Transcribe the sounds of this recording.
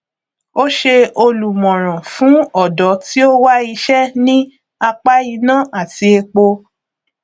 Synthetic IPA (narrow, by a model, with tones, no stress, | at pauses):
o˦ʃe˧o˧lu˨mɔ̃˨ɾ̃ã˨fũ˨˦ɔ˦˨dɔ˨˦ti˦o˦wa˦i˧ʃɛ˦nĩ˦ | a˧k͡pa˦i˧nã˦˨a˦˨ti˧e˧k͡po˧